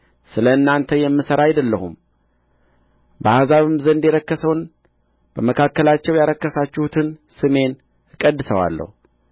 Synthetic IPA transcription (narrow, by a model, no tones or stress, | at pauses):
sɨləɨnːant̪ʰəjɛmːɨsəɾajd̪əlːəhum | bəhazaβɨmzənd̪jɛɾəkːəsəwn | b̥əməkʰakːəlat͡ʃːɛwjaɾəkːəsat͡ʃːɪhut̪ʰɨnsɨme̞n | ɨkʼəd̪ːɨsəwa̰lːə̰hu